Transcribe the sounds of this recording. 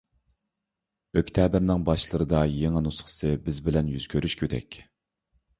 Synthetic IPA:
økʲt̪ʰɛːbɪɾnɪŋbɑʃlˠəɾɨd̪ɑjeŋɛnusχə̥sɨbɪzbɪlɛnjyz̥kʲʰøɾyʃkʲʰød̪ɛ̰kʲ

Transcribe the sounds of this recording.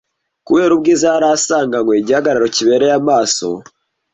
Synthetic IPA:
kuwe̞ːɾub̚ɡizaɾasaːŋɡaŋweiɟihaɡaɾaɾo̞ciβe̞ːɾe̞jamaːso̞̰

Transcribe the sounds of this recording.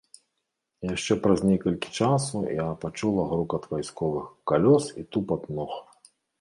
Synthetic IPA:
jaʂt͡ʂɛpɾɐzʲnʲɛkɐlʲkʲi̥t͡ʂasujapat͡ʂulˠɐɣɾukɐd̪vajskɔvɨxkalʲɔsit̪upɐd̪nɔx

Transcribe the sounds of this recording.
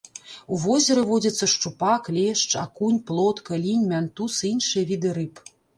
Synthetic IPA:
uvɔzʲɛɾɨvɔd͡zʲɐt̪sːɐʂt͡ʂupaklʲɛʂt͡ʂakunʲplˠɔt̪kɐlʲinʲmʲant̪usɨinʂɨjɐvʲid̪ɨɾɨp

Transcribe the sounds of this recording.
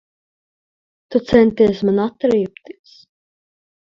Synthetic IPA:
t̪ut̪sɛnt̪iɛsmanat̪ɾipt̪it̪s

